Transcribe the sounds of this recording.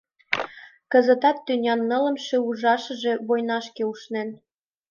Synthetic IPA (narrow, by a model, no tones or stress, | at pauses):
kə̆zə̆t̪ɑt̪ːynʲɑnːə̆lə̆mʃeuʒɑʃə̆ʒe̽βojnɑʃkeuʃnen